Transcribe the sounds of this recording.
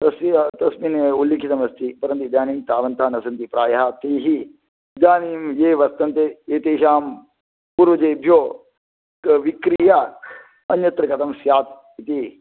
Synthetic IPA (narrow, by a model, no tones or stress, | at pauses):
t̪ɐst̪ɐsmiːneulːikʰit̪ɐmɐst̪ipɐɾɐnt̪ud̪aːnimt̪aːʋɐnt̪ʰaːnɐsɐnt̪ipɾaːjɦaːt̪iɦi | d̪aːnimjeːʋɐst̪ɐnt̪eeːt̪eːʃaːm | puɾʋɐd͡ʑeːbʱjoː | ʋɪkɾijaː | ɐɲjɐt̪ɾɐkɐt̪ɐmsjaːt̪̚ | it̪iː